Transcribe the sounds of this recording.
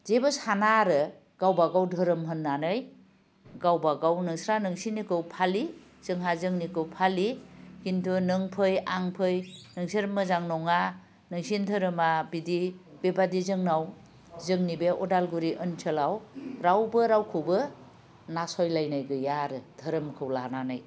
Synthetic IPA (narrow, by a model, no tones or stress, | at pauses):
zebɯsanaɾɯ | ɡ̥awbaɡawdʱɯɾɯmɦɯnːanɯj | ɡawbaɡawnɯŋsɾanɯŋsinːikɯwpʰali | z̥ɯŋɦazɯŋnikɯwpʰalikintʰunɯŋpʰɯjaŋpʰɯjnɯŋsiɾmɯzaŋnɔŋa | nɯŋsintʰɯɾɯmabidibebadizɯŋnaw | zɯŋnibeʔɔdalɡuɾiʔɯnt͡ʃʰəlawɾawbɯɾawkʰɯwbɯ | nasɔjlajnajɡɯjaɾɯdʱəɾɯmkʰɯwlananɯj